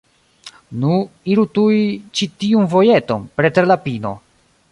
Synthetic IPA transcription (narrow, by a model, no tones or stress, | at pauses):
nuiɾutuit͡ʃitiunvo̞je̞to̞̰npɾet̪ɾelapino̞̰